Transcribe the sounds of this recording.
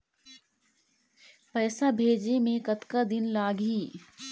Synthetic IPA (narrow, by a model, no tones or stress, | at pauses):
pɛːsabʱeːd͡ʑemẽkɐt̪kad̪ɪnlaːɡiː